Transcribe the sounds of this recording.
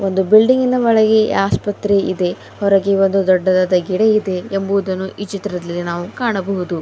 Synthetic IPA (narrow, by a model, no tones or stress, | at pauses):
o̞nd̪ubiɭɖiŋɡinɐʋɐɭɐɡeaːspɐt̪ɾe̞ʔid̪e̞ | hɔɾɐɡeond̪ud̪ɔɖːɐd̪aːd̪ɐɡiɽeid̪e̞ːmbuʋud̪ɐnːuʔit͡ʃit̪ɾɐd̪ɐlːinaːʋukaːɳɐbɐɦud̪u